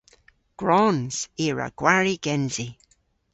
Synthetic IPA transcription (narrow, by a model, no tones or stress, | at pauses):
ɡ̥ɹɔnz̥iɹa̰ɡ̥waɹiɡ̥ɛnzi